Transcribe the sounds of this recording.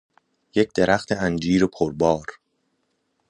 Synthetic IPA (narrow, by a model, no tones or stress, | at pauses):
je̞c̚ʰd̪̥e̞ɾʔæxt̪ʰeænd͡ʒiːɾopʰoɾbɒːɾ